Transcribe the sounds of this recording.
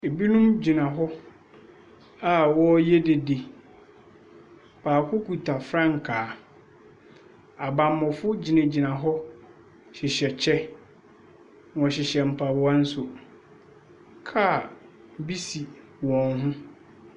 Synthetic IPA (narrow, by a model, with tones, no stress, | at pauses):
e˨bi˦nũ˦md͡ʑi˨nã˨ɦɔ˦ | a˨wɔ˦jɛ˦de˨de˨ | pʰaː˨kʰʊ˦kʰu˨tʰa˨fɾã˦ŋ̩˨kʰaː˨ | a˨bã˨mɔ̃˨fʊ˦d͡ʑi˨nɪ̃˨d͡ʑi˨nã˨ɦɔ˦ | ɕɪ˨ɕɛ˨t͡ɕʰɛ˦ | n˨ɔ̃˨ɕɪ˨ɕɛ˨m̩˨pʰa˨bʊ˦a˦n̩˦sʊ˨ | kʰa˦˨ | bi˦si˨ | wɔ̃˨nɦʊ̃˦